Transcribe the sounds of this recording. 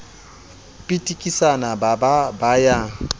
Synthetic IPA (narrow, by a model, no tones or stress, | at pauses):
pʼitʼikʼisanabababaja